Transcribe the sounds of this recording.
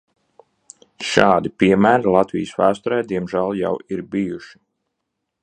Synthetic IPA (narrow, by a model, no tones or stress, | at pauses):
ʃɑːd̪ipʲiɛmæːɾilˠɑt̪vḭjəsvæːst̪ɔɾɛjd̪iɛmʒælˠja̰wiɾbijuʃi̥